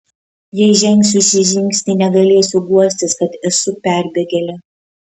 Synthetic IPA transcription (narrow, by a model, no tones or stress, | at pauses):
jɛɪʒʲɛŋʲksʲʊsʲɪʒʲɪŋʲkʲsʲt̪ʲɪnʲɛɡɐlʲeːsʲʊɡuɔsʲt̪ʲɪskɐt̪ɛsʊpʲæɾʲbʲɛɡʲɛlʲɛ